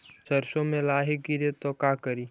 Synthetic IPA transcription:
t͡ʃɐɾʃõmẽlaːɦiɡiɾet̪okaːkəɾiː

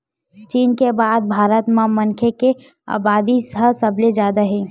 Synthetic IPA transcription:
t͡ʃiːnkebaːd̪̚bʱaːɾət̪mãmənkʰeke | a̰ːbaːd̪isɦəsəbled͡ʒjaːd̪aɦẽː

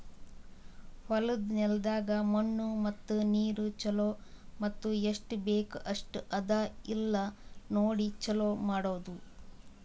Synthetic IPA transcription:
hɐlud̪nɛld̪aːɡɐmɐɳːumɐt̪ːuniːɾut͡ʃɐloːmɐt̪ːueʂʈbeːkɐʂʈɐd̪ailːɐnoːɽit͡ʃɐloːmaːɽoːd̪u

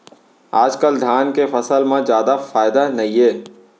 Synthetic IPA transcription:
aːd͡ʒkəld̪ʱaːnkefɐsəlmãzjaːd̪afaːɪd̪anɐɦĩɦeː

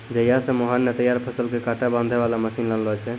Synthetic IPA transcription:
d͡ʒəjasẽmoɦanːət̪əjaɾpʰəsəlkekaʈabãnd̪ʱeβalaməsinlənlɔt͡ʃʰɛ

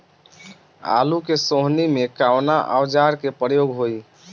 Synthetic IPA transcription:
a̰lukesoɦnimekawnaʔa̰wd͡ʒaɾkepɾəjoɡɦoi

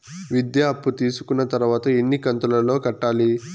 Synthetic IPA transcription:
ʋid̪jaɐpːut̪iːsu̥kunːɐt̪ɐɾuʋaːt̪ɐenːikɐnt̪ulɐlo̞ːkɐʈːaːli

